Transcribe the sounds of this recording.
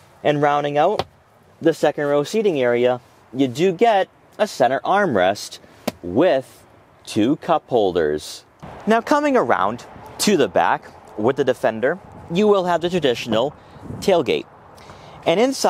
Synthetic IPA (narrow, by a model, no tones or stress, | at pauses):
ʔɨ̃nɹãʊ̃ndɪ̃ŋaʊt̚ | ðɨsɛkɨ̃nɹoʊsiɾɪ̃ŋɛɹiɨ | jɨdɨɡɛɾ | ɨsɛ̃ɾ̃ə˞ʔɑɹmɹɛst | wɪð̥ | tʰʉkʰʌphoʊlˠdə̰˞z̥ | naʊkʰʌmɪ̃ŋə˞ã̰ʊ̃ntʰɨðəbæ̰kwɪðɨdɨfɛ̃ndə˞jɨwɪlˠəvðɨtʰɹ̥ɨdɪʃn̩l̩ˠ | tʰeɪlˠɡeɪɾ̚ | ɨ̃ñɨ̃nsa